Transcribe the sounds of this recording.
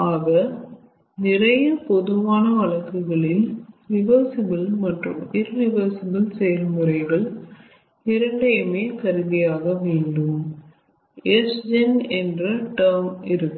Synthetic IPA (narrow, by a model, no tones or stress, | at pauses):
aːɣɐ | nɪrɐjɐpɔðɯʋaːnɐʋɐɭɐkːɯɣɐɭɪlɾɪʋɐɾsɪbɪlmɐʈrɯ̰mɪɾːɪʋɐɾsɪbɪlsɛjɐlmɯrɐɪɣɐɭ | ɪɾɐɳɖɐmeːkɐɾɯðɪjaːɣɐʋeːɳɖɯm | esd͡ʒɐnɛndrɐʈɐɾmɪɾɯkː